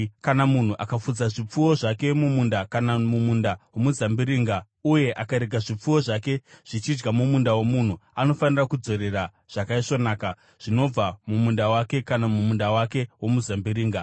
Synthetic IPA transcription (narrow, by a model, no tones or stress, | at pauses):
kanamun̤uʔakafud͡zaʐip͡fuwo̞ʐake̞mumundakanamumundawo̞muzambiɾiːŋɡa | uje̞ʔakaɾe̞ɡʱaʐip͡fuwo̞ʐake̞ʐ̥it͡ʃid͡ʒɡamumundawo̞mun̤uano̞fanirakud͡zo̞ɾe̞ra | ʐ̥akaiʂo̞naːka | ʐ̥ino̞b͡vamumundawake̞kanamumundawake̞wo̞muzambiɾiːŋɡa